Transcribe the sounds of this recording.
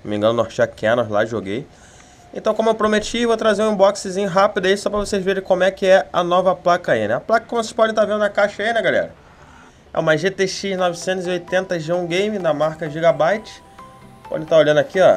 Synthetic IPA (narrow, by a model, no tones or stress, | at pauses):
omḭ̃ŋɡɐ̃nʊnoht͡ʃakʰẽnola̰ʒo̰ɡej | ẽt̪ɐ̃w̃kõmʊewpɾomet͡ʃievot̪ɾazeɾũĩbɔksɪzĩɲʊɦapid̪ɐisɔpɾɐvosejzveɾẽkõmʊɛkɪɛɐ̰nɔvɐplakɐḭnɛ̰̃ɐplakɐkomʊoseʃpɔdẽt̪aɾvẽnd̪ʊnɐkaʃɐinɛ̃ɡalɛ̰ɾɐ | ɛ̰ũmɐʒet̪eʃiznɔvisẽnt̪ʊziojt̪ẽnt̪ɐʒũɡẽjmĩd̪ɐmaɾkɐʒiɡabajt͡ʃɪ̥ | pɔ̰d̪ẽt̪aɾolʎɐ̃nd̪akiɔ